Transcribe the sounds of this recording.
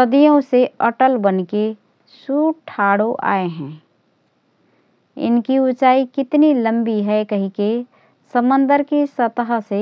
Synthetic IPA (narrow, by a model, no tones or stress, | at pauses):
səd̪ijõseɐʈəlbənke | suːʈʰaːɽoʔa̰ːeɦɛ̃ː | ɪ̰nkiʊt͡ʃaːikɪt̪nilə̃mbiɦɛkɐɦĩke | səmə̃nd̪əɾkisɐt̪əɦse